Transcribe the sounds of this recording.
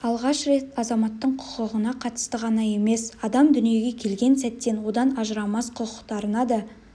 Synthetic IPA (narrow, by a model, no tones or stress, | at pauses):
ɑlˠʁɑʃɾe̞t̪ɑzɑmɑt̪ːəɴqʰʊ̥qəʁənɑqʰɑt̪ə̥st̪əʁɑnɑje̞me̞sɑd̪ɑmd̪ʏnije̞ɡʲe̞kʲʰe̞lɡʲe̞nsæt̪ːe̞nwo̞d̪ɑnɑʒəɾɑmɑsqʰʊqəqt̪ɑɾənɑd̪ə